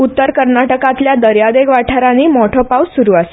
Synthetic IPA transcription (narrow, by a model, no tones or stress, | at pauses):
ut̪ːəɾkəɾnaʈəkãt̪ljad̪əɾjad̪eɡʋaʈʰaɾaniːmɔʈʰɔpawssuɾuːase̥